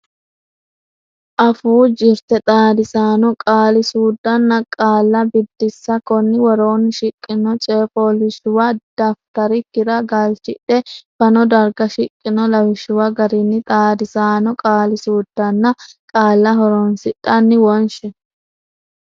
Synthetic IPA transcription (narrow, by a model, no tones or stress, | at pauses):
ʔɐfuːd͡ʒɪɾt̪ɛt̪ʼaːd̪ɪsaːnɔkʼaːlɪsuːd̪ːɐnːɐkʼaːlːɐbɪd̪ːɪsːɐkɔnːɪwɔɾoːnːɪʃɪkʼːɪnɔt͡ʃʼeːfoːlɪʃʊwɐd̪̥ɐft̪ɐɾɪkːɪɾɐɡɐlt͡ʃɪᶑɛfɐnɔd̪ɐɾɡɐʃɪkʼːɪnɔlɐwɪʃɪwɐɡɐɾɪnːɪt̪ʼaːd̪ɪsaːnɔkʼaːlɪsuːd̪ːɐnːɐkʼaːlːɐɦɔɾonsɪᶑɐnːɪwɔnʃɛ